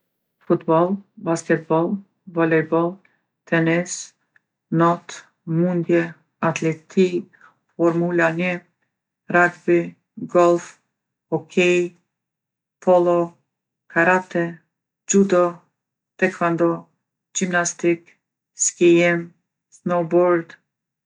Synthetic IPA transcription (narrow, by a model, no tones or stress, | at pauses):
fut̪bɔlˠbaskɛt̪̚bɔlˠ | bɔlɛbɔlˠ | t̪ʰɛnɛs | nɔt̪ | mund̪jɛ | at̪lɛt̪ʰi | fɔɾmulanɛ | ɾaɡbi | ɡɔlˠf | ɔkʰɛj | pʰɔlˠɔ | kʰaɾat̪ɛ | d͡ʒud̪ɔ | t̪ɛkvand̪ɔ | d͡ʒimnast̪ik | skɛjɛm | snɔbɔɾd̪